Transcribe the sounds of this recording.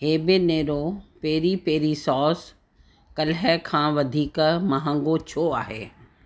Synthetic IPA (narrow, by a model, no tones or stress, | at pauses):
ɦeːbeneːɾopeːɾipeːɾisɔːs | kɐlɦɛkʰãːʋɐd̪ʱiːkmɐɦə̃ŋɡot͡ɕʰoːaːɦḛː